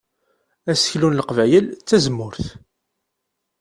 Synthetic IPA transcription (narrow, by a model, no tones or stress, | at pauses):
æsə̥çlunləqvæjəlt͡sːæzəmːʊɾθ